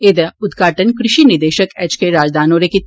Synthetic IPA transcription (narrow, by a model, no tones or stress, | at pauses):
eːd̪ɐʊd̪ɡʱaːʈənkɾɪʃinɪɾd̪eːʃəkɛt͡ʃkeɾaːd͡ʒd̪ʱaːnoːɾeki